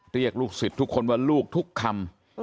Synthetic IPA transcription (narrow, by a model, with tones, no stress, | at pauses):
ɾi˥˩ək̚luː˥˩k̚si˨˩t̪ʰːu˦˥kʰːo˧nwaː˥˩luː˥˩k̚t̪ʰu˦˥kʰːa˧m